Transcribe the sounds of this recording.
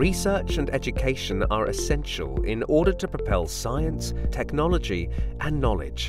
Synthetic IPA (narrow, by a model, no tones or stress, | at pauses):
ɹisɜˑ˞t͡ʃɨ̃nɛd͡ʒɨkʰeɪʃə̃nə̰ɹʔɪ̰sɛ̃nʃə̰lˠɪ̰̃nɔːɾə˞tʰəpɹ̥əpʰɛlˠsaɪə̃nstʰɛknɒlˠəd͡ʒiʔə̃nːɒlˠɪ̰d̥ʒ̥